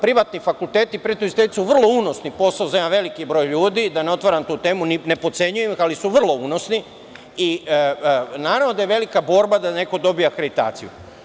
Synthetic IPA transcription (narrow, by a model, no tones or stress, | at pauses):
pɾiʋat̪nifakulˠt̪e̞ːt̪ipɾet̪oizst̪et̪i̥suʋr̩lˠo̞uno̞snipo̞saozaemaʋe̞likibɾo̞jʎuːd̪id̪aneo̞t̪ʋaɾant̪uːt̪e̞ːmunine̞pot̪se̞ɲujemixalisuʋr̩lˠo̞uno̞sni | i | naːɾavʋno̞d̪aje̞ʋe̞likabo̞ːɾbad̪ane̞ko̞d̪o̞bijakɾe̞d̪it̪a̰ːt̪sijṵ